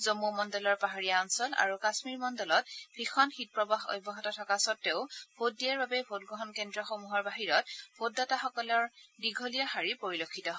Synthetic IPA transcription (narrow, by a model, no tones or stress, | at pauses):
zomːumɔndɔlɔɹpaɦaɹijaɔnsɔla̰ɹukasmiɹmɔndɔlɔt̚b̥ʱixʰɔnxit̚pɹɔbaɦɔ̰jbʱːɔɦɔtatʰɔkasɔtːeʊb̥ʱot̚dːijaɹbabɛbʱot̚ɡɔɦɔnkendɹɔxomuɦɔɹbaɦiɹɔt̚b̥ʱotːɔtaxɔkɔlɔɹdiɡʱolijaxaɹipoɹilokʰːitɔɦ